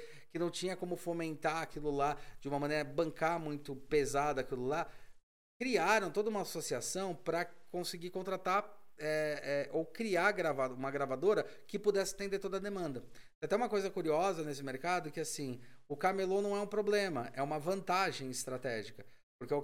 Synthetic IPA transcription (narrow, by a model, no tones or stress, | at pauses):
kɪnɐ̃w̃t͡ʃĩɲɐkõmʊfomẽnt̪aakilʊlad͡ʒɪũmɐmɐ̃nejɾɐbɐ̃ŋkamũj̃t̪ʊpezad̪ɐakilʊla | kɾiaɾɐ̃w̃t̪od̪ɐũmɐasosiasɐ̃w̃pɾɐkõsɪɡikõnt̪ɾat̪aɛɛʔowkɾiaɡɾavaũmɐɡɾavad̪oɾɐkɪpud̪ɛsɪ̥t̪ẽnd̪eɾt̪od̪ɐd̪emɐ̃nd̪ɐ | at̪ɛũmɐkojzɐkuɾiɔzɐnes̬ɪmeɾkad̪ʊkɪasĩʊkamelõnɐ̃w̃ɛũpɾoblẽmɐʔɛũmɐvɐ̃nt̪aʒẽj̃ɪst̪ɾat̪ɛʒikɐ | poɾke